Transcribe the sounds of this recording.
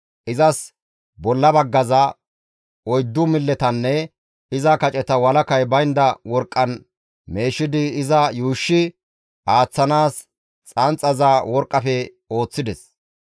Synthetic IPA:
ʔɪzɐs | bɔlːɐbɐɡːɐzɐ | ɔjd̪ːʊmɪlːɛt̪ɐnːɛ | ɪzɐkɐt͡ʃʼɛt̪ɐwɐlɐkɐjbɐjɪnd̪ɐwɔɾkʼːɐn | me̞ːʃːɪd̪ɪɪzɐjuːʃːɪ | ʔaːt͡sːɐnaːs | t͡sʼɐnt͡sʼːɐzawɔɾkʼːɐfɛ | o̞ːt͡sːɪd̪ɛs

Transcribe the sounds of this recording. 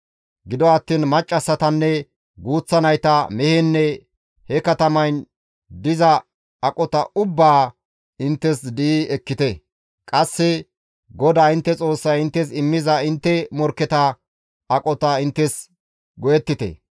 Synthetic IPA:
ɡɪd̪ɔɐt̪ːiːnmɐt͡ʃʼːɐsːɐt̪ɐnːɛ | ɡuːt͡sːɐnɐjt̪ɐmɛhɛnːɛ | hɛkɐt̪ɐmɐjn | d̪ɪzɐː | kʼɔt̪ɐʔʊbːaː | ɪnt̪ːɛsd̪iɛkːɪt̪ɛ | kʼɐsːɛ | ɡɔd̪aːɪnt̪ːɛt͡sʼo̞ːsːɐjɪnt̪ːɛsɪmːɪzɐɪnt̪ːɛmɔɾkːɛt̪ɐ | ɐkʼɔt̪ɐɪnt̪ːɛs | ɡɔjɛt̪ːɪt̪ɛ̰

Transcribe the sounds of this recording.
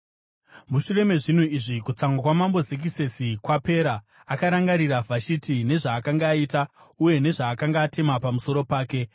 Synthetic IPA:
muʃure̞me̞ʐin̤oiʐikut͡saŋɡakwamambo̞zek̬ise̞sikwape̞ːɾaː | kaɾaŋɡaɾiravʱat͡ʃitine̞ʐaːkaŋɡaːita | uje̞ne̞ʐaːkaŋɡaːte̞mapamuso̞ɾo̞paːke̞

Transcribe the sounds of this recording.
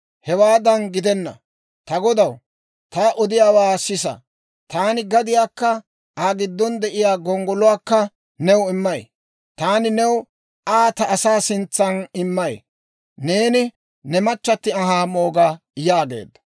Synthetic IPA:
hɛwaːd̪ɐnɡɪd̪ɛnːɐ̰ | t̪ɐɡɔd̪ɐw | t̪ɐʔɔd̪ɪjaːwaːsɪsɐ̰ | t̪aːnɪɡɐd̪ɪjaːkːɐ | aːɡɪd̪ːɔnd̪ɛʔɪjaːɡɔŋɡɔlʊwaːkːɐ | nɛwɪmːɐj | t̪aːnɪnɛw | ʔaːt̪ɐːsaːsɪnt͡sːɐnɪmːɐj | ne̞ːnɪ | nɛmɐt͡ʃːɐt̪ːɪɐɦaːmoːɡa | jaːɡe̞̰ːd̪ːɐ̥

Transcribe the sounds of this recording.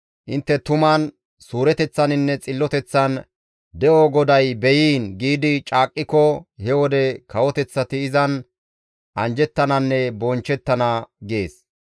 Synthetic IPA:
ʔɪnt̪ːɛt̪ʊmɐn | suːɾɛt̪ɛt͡sːɐnɪnːɛt͡sʼɪlːɔt̪ɛt͡sːɐn | d̪ɛʔɔɡɔd̪ɐjbɛjiːnɡiːd̪ɪt͡ʃʼaːkʼːɪkɔhɛwɔd̪ɛkɐwɔt̪ɛt͡sːɐt̪ɪːzɐn | ʔɐnd͡ʒɛt̪ːɐnɐnːɛbɔnt͡ʃːɛt̪ːɐnɐɡeːs

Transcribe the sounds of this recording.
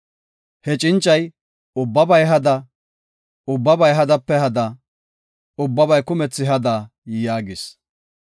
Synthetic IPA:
hɛt͡ʃʼɪnt͡ʃʼːɐj | ʊbːɐbɐjɦɐd̪ɐ | ʊbːɐbɐjɦɐd̪ɐpːɛɦɐd̪ɐ | ʊbːɐbɐjkʊmɛt͡sːɪɦɐd̪ɐ | jaːɡɪs

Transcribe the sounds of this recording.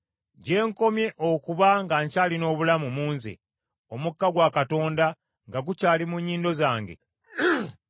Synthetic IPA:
ɟe̞ːŋko̞mje̞ʔokuβaŋɡaɲcaːlino̞ːβulamumuːnzḛ | o̞mukːaɡwakato̞ːnda | ŋɡaɡucaːlimuɲːiːndo̞zaːŋɡe̞̰

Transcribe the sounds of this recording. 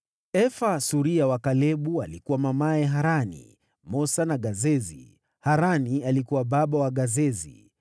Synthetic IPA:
ɛfasuɾiawakalɛɓualikuwamamaɛɦaɾanḭ | mɔsanaɠazɛzḭ | haɾanialikuwaɓaɓawaɠazɛzḭ

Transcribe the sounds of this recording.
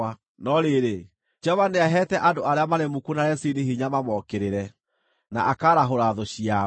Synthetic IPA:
a | nɔɾeɾe | d͡ʒɔβaneaɦɛtɛʔadoaɾeamaɾemukunaɾɛsiniɦiɲamamɔkeɾeɾɛ | na̰ʔakaɾaɦoɾaðoɕia

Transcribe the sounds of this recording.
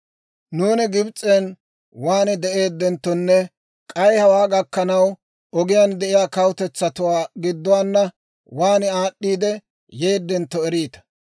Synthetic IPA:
nuːnɪɡɪbt͡sʼːeːn | waːnɪd̪ɛʔe̞ːd̪ːɛnt̪ːɔnːɛ | kʼɐjhɐwaːɡɐkːɐnɐw | ɔɡɪjaːnd̪ɛʔɪjaːkɐwt̪ɛt͡sːɐt̪ʊwaːɡɪd̪ːʊwaːnːɐ | waːnɪaːɗːiːd̪ɛ | je̞ːd̪ːɛnt̪ːɔɛɾiːt̪ɐ̥

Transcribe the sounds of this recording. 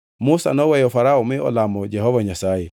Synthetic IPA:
musa̰nɔwɛjɔfaɾaɔmɪɔ̰lamɔd͡ʒɛhɔvaɲasaje

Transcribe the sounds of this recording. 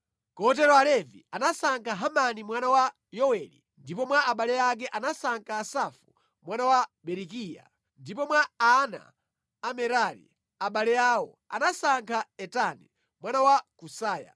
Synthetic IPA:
kɔt̬ɛɾɔalɛvḭanasaŋkʰaɦamanimwanawa | jɔwɛlḭ | ndipɔmwaaɓalɛjak̬ɛʔanasaŋkʰaːsafu | mwanawaɓɛɾikija̰ | ndipɔmwaana̰ː | mɛɾaɾḭ | aɓalɛaːwɔ | a̰nasaŋkʰaɛtani | mwanawakusaːja̰

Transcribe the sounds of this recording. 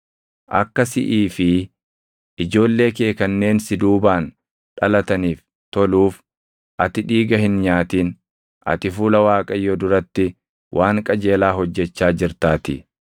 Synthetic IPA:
ʔɐ̰kːɐsɪ̰ʔiːfɪ | ʔɪd͡ʒo̞ːlːe̞ːkeːkɐnːe̞ːnsɪd̪uːbaːn | ᶑɐlɐt̪ɐniːf | t̪ɔluːf | ʔɐt̪ɪᶑiːɡɐhɪnɲaːt̪iːn | ʔɐ̰t̪ɪfuːlɐwaːkʼɐjːɔd̪ʊɾɐt̪ːɪ | wʔaːŋkʼɐd͡ʒe̞ːlaːɦɔd͡ʒːɛt͡ʃːaːd͡ʒɪɾt̪aːt̪ɪ̰

